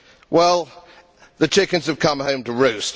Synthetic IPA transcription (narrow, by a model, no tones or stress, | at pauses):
wɛlˠ | ðɨt͡ʃʰɪkɨ̃nz̥ɨv̥kʰʌ̃mhõʊ̃mtɨɹʉst